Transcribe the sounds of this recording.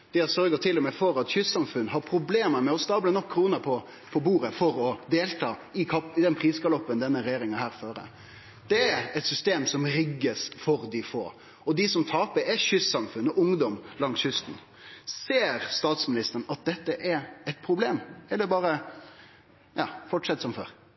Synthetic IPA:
d̪̥ɪæsœɾɡət̪ʰɪlːɔmɛfɔɾɑt̪ɕʏssɑmfʉnɦɑɾpʰɾʊbleːməɾmɛɔst̪ɑːblənɔkʰːɾuːnəɾpʰɔ | pʰɔbuːɾəfɔɾɔd̪eːlt̪ʰɑːɪkʰɑpɪd̪ɛnpʰɾiːskɑlɔpːənd̪ɛnːəɾɛjeːɾɪŋɑnhæːɾføːɾə̰ | d̪̥ɛæɾɛt̪sʏst̪eːmsɔmɾɪɡːəsfɔɾd̪ɪfo̰ː | ɔd̪ɪsɔmt̪ʰɑːpəɾɛɕʏssɑmfʉnːɔʔʊŋd̪ɔmlɑŋsçʏst̪n̩ | seːɾst̪ɑːt̪smɪnɪst̪əəɳ̩ɑt̪̚d̪ɛt̪ːəʔɛɾɛɪt̪̚pʰɾʊbleːmɛld̪ɛbɑːɾə | jʔɑːfɔʈʂɛt̪ːsɔmfø̰ːɾ

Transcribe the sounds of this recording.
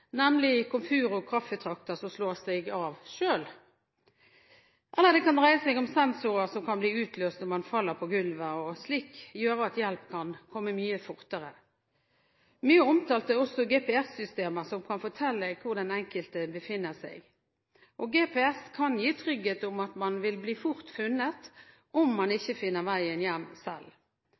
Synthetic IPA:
nɛmlɪkʰʊmfʉːɾʊkʰʁɑffət̪ʰʁɑk̚t̪əsɔsloːsd̪ɛɡɑːʋʃøːl | ʔɛlːəd̪ɛkʰɑnd̪ʁæɪəsɛɪɡʊmsɛnsʊʁəsɔmkʰɑnbliːʉːt̪løːst̪ɔmɑnfɑlːəʁpʰɔɡʉlʋəɔsliːkjøːɾəɑt̪jɛlpkʰɑnkʰɔmːəmyːəfʊʁt̪əʁə | myːəɔmt̪ʰɑːlt̪əɔsɔɡeːpɛæsːʏst̪eːməsɔmkʰɑnfɔʈ̪ʰɛlːəkʰʊʁd̪ɛnɛŋkəlt̪əbəfɪnːəsæ̰ɪɡ | ʔɔɡeːpʰɛːɛskʰɑnjiːt̪ʰʁʏɡet̪ɔmɑt̪mɑnʋɪlbliːfʊʁt̪fʉnːət̪ | ʔɔmːɑnɪçːəfɪnːəʁʋæɪənjɛmːsɛ̰l

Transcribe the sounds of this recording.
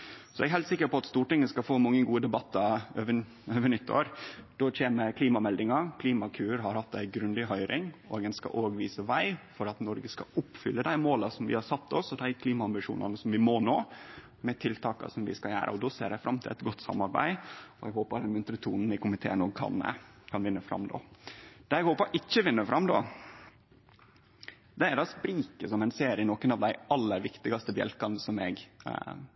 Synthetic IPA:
sɔɛɡɦæɪlt̪sɪkːəɾpɔɑt̪st̪uːʈɪŋːəskɑfoːmɑŋːəɡuːəd̪ɛbɑt̪ːɑøːʋə | øːʋəɳʏt̪ʰːo̰ːɾd̪̥ɔt͡ʃʰeːməɾkʰliːmɑmɛld̪ɪŋɑkʰliːmɑkʰʉːɾɦɑɾhɑt̪ːæɪɡɾʉnd̪ɪɦœʏɾɪŋo̰ːɡənskɑ̰ʔoːɡʋiːsəʋæɪfɔɾɑt̪nɔɾɡəskɑʊpfʏlːəd̪æɪmoːlɑsɔmʋɪ̰hɑɾsɑt̪ʰːɔsɔd̪æɪkʰliːmɑɑmbɪʂṵːnɑ̰nəsɔmʋɪmono̰ː | mɛt̪ʰɪlt̪ʰɑːkɑ̰sɔmʋɪ̰skɑjæ̰ːɾʔə̰ɔd̪ɔsḛːɾæɡfɾɑmt̪ʰɪlɛ̰t̪ɡɔt̪ːsɑ̰mːɑɾbæ̰ɪɔɛɡhoːpəɖ̪ɛnmʉnt̪ɾət̪ʰuːnn̩ɪkʊmɪt̪ʰḛːnɔɡkʰɑ̰nkʰɑnʋɪnːəfɾɑ̰mːd̪o̰ːd̪ɛɛɡhoːpəɾʔɪçːəʋɪnːəfɾɑmːd̪o̰ː | d̪ɛæɾd̪ɑːspɾiːkəsɔmæɪnseːɾɪənɔkənɑʋd̪æɪɑlːəɾʋɪkt̪ɪɡɑst̪əbjɛ̰lkɑnəsɔmɛɡ

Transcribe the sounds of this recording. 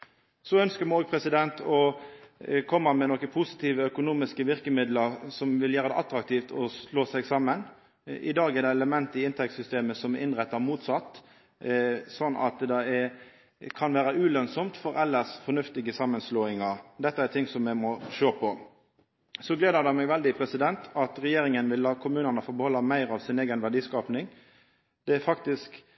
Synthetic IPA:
sɔœnskəɾmɔːɡpʰɾɛsɪd̪ɛnt̪ʰɔ | kʰɔmːəmɛnɔkːəpʰʊsɪ̥t̪ʰiːʋəœkʊnuːmɪskəʋɪʁkəmɪd̪ləʁsɔmʋɪljæːɾəd̪ɛ̰ʔɑt̪ɾɑk̚t̪iːft̪ʰɔloːsɛɡsɑmːən | ʔɪd̪ɑːɡɛd̪ɛɛləmɛnt̪əɪɪnt̪ʰɛk̚t̪sʏst̪eːməsɔmɛʔɪnʁɛt̪ːɑʁmuːt̪sɑt̪ː | sɔnːɑ̰t̪d̪ɛɛ | kʰɑnʋæːɾəʔʉːlœnsɔmt̪fɔɾɛlːəsfɔnʉft̪ɪɡəsɑmːənsloːɪŋɑɾd̪ɛt̪ːəæt̪ʰɪŋsɔmjɛmɔʃøːpʰɔ | sɔɡleːd̪əɾd̪ɛmɛɡʋɛld̪ɪpʰɾɛsɪd̪ɛnt̪ʰɑt̪ɾɛjeːɾɪŋənʋɪlːɑːkʰʊmʉːnənəfoːbəhɔlːɑmæɪɾɑʋsɪneːɡənʋæʁɖ̪iːskɑːpnɪŋ | d̪̥ɛæfɑkt̪ɪsk

